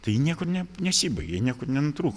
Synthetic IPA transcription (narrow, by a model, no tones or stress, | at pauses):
t̪ɐɪjiːnʲiɛkʊrnʲɛnʲɛsʲiːbɐɪɡʲenʲiɛkʊrnʲɛnʊt̪ɾuːk